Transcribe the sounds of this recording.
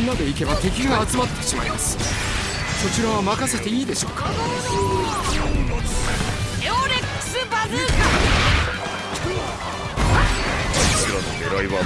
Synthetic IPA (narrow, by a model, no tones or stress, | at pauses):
nːad̪e̞ike̞bat̪e̞kʲiɡaːt͡sɨmat̪ːe̥ɕima̰ɾimasɨ̥ | so̞t͡ɕiɾaβamakase̞t̪e̞iːd̪e̞ɕo̞ːkḁ | eoɾekːɯ̥sɨbaɾɨka | t͡ɕiɾano̰d̪eɾaiβa